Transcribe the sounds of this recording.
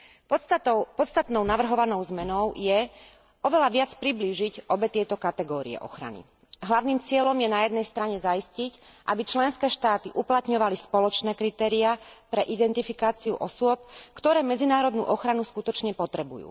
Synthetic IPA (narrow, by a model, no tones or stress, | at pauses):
ʊpɔt̪st̪at̪nɔʊnaʋr̩ɦɔʋanɔʊzmɛnɔʊjɛ | ɔʋɛlaʋɪat͡spɾibliːʒicɔbɛt̪ɪɛt̪ɔkat̪ɛɡɔːɾḭɛ̰ʔɔ̰xɾa̰nḭ | ɦlaʊniːmt͡sɪɛlɔmjɛnajɛd̪nɛjst̪ɾaɲɛzaiscicʔabit͡ʃlɛnskɛːʃt̪aːt̪iʔuplat̪ɲɔʋalispɔlɔt͡ʃnɛːkɾit̪ɛːɾiapɾɛʔid̪ɛnt̪ifikaːt͡siṵʔɔsʊɔp̚kt̪ɔɾɛːmɛd͡zinaːɾɔd̪nṵːʔɔxɾanuskut̪ɔt͡ʃɲɛpɔt̪ɾɛbujṵː